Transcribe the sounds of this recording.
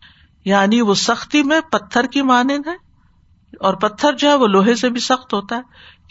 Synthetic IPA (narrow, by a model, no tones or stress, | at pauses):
jaːniʋosɐxt̪imẽpɐt̪ʰːəɾkimaːnɪd̪ɦɛ̃ː | ɔːɾpɐt̪ʰːəɾd͡ʒoɦɛʋoloːɦesebʱisɐxt̪ɦoːt̪aɦɛ